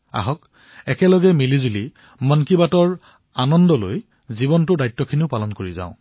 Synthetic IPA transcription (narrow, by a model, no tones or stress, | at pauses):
a̰ɦɔk | ɛkɛlɔɡɛmilizuli | mɔnkibatɔɹ | anɔndɔloj | zibɔntʊdajtːɔkʰiniʊpalɔnkoɹizã̰ʊ̃